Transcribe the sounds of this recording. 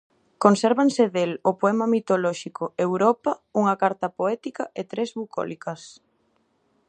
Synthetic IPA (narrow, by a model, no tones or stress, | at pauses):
konsɛɾβanseðelopoɛmɐmit̪olɔʃikʊewɾɔpɐuŋɐkaɾt̪ɐpoɛt̪ikɐet̪ɾezβukɔ̰likɐs